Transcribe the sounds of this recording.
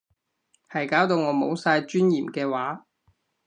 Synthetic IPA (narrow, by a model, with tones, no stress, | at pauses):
hɐ˨˩jkaː˨˥wt̪o˧wŋɔː˨˧mo˨˧wsaː˧jt͡ʃyː˥njiː˨˩mkɛː˧waː˨˥